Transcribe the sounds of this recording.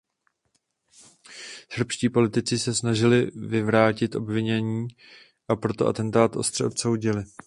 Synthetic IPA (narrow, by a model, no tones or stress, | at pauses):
sr̩pʃciːpo̞lɪt̪ɪt͡sɪsɛsnaʒɪlɪvɪvɾaːcɪt̪ʔo̞̰bvɪɲɛɲiː | ʔapɾo̞t̪o̞ʔa̰t̪ɛnt̪aːt̪ʔo̞̰st̪r̥ɛʔo̞p̪so̞wɟɪlɪ